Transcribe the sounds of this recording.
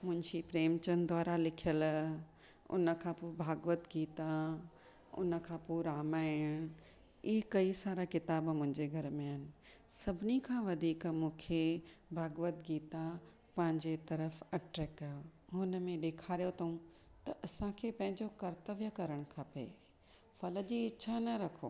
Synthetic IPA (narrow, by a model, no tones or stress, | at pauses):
mʊ̃ɦɪ̃ɲd͡ʑipɾeːmt͡ɕənd̪ʱwaːɾalɪkʰijəl | ʊ̰nə̆kʰãpoːbʱaːɡʋət̪ɡiːt̪a | ʊ̰nə̆kʰãːpuːɾaːmaːɪɽ̃ | iɦkɐisaːɾakɪt̪aːbmʊ̃ɦɪ̃ɲd͡ʑeɡʱɐɾmẽɦɪnɪ̆sɐbʱɪnikʰãːʋɐd̪ʱiːkmũːkʰebʱaːɡʋət̪ɡiːt̪a | pɐ̃ɦɪ̃ɲd͡ʑet̪ɐɾəfɐʈɾɛːkːɐjoɦʊnə̆mẽɗeːkʰaːɾijot̪ʰɐɦũ | t̪ɐʔɐsãkʰeːpɐ̃ɦɪ̃ɲd͡ʑokɐɾt̪əʋjəkɐɾəɽ̃kʰapḛ | fɐlə̆d͡ʑiːɪanɐɾɐkʰo̰ː